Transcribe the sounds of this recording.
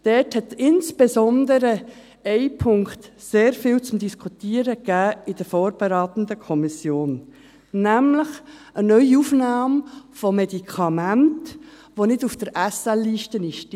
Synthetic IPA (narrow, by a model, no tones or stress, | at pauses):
d̥ɛthɛt̪ɪnsb̥ɛzɔnd̪əɾə | ɛɪpʰʊŋkt̪ | seːɾfɪlt͡sʊmd̪iskʰut̪iːəɾəɡ̥æːɪd̥əɾfoːɾb̥ɛɾaːt̪ən̩d̪əkʰɔmisjoːnː | æmləχʔənœʏiufnɑːmfɔmɛdikʰɑmænt | ʋonɪdufd̥əɾʔæsɛlːiːʃtənɪʃt